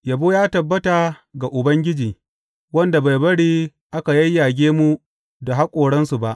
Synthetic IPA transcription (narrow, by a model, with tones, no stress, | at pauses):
jɐ˨boː˦jaː˦tɐ˨bːɐ˦ta˨ | ɡa˨ʔʊ˨bɐ˦ŋɡʲɪ˦d͡ʒiː˨ | wɐ˦nda˨ba˨jbɐ˦ɽiː˦ | ʔa˦ka˨jɐ˦jːaː˨ɡʲeː˦mu˦ | da˨ɦa˦kʷʼoː˨ɽɐ˦nsu˨ba˦ʔ